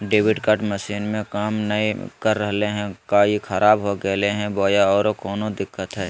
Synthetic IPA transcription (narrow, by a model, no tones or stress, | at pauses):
ɖeːʋɪɖkəʈməʃiːnmẽkaːmnɐikəɾːəɦleɦɛ̃kaːikʰɐɾʔaːbɦoɡɛleɦɛ̃boːjaɔːɾokɔːnod̪ɪkːət̪ɦɛː